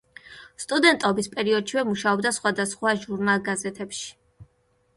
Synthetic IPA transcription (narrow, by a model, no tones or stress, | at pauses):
st̪ʼud̪ɛnt̪ʼɔbispʼɛɾiɔd̪ʃivɛmuʃaɔbd̪asχwad̪asχwaʒuɾnalˠɡazɛt̪ʰɛpʃi̥